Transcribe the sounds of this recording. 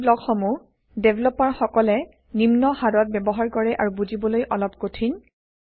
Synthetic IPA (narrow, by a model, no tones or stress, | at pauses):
blɔkxɔmu | debʱlɔpaɹxɔkɔlɛ | nimnɔhadɔt̚bɛbɔɦaɹkɔɹɛʔaɹubuzibɔlojʔɔlɔp̚kotʰin